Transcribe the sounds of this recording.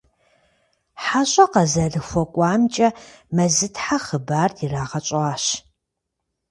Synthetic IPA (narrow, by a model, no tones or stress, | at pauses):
ħaɕʼɐqɐzɐrɨxʷɔkʷʼɑːmt͡ʃʼɐmɐzɨtʰħaχəbaːrʰiraːʁɐt͡ʃʼaːɕ